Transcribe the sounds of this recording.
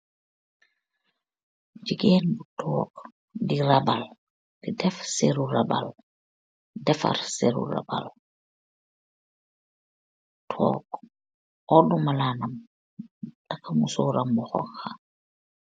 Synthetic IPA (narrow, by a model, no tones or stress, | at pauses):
d͡ʒiɡenbutʰɔːk | diɾabal | didɛfseɾuraba̰l | dɛfa̰ɾseɾṵra̰ba̰l | tʰɔ̰ːk | ɔdumalaːnam | takamusɔːɾambɔxɔ̰xa